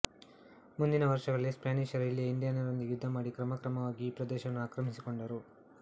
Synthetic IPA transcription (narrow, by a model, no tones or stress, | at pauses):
mund̪inɐʋɐɾʂɐɡɐɭːispjaːniʃɐɾɐilːijɐiɳɖijaːnɐɾond̪ijud̪ʱːɐmaːɽikɾɐmɐkɾɐmɐʋaːɡiːpɾɐd̪ɛːʃɐnːuaːkɾɐmisiko̞ɳɖɐɾu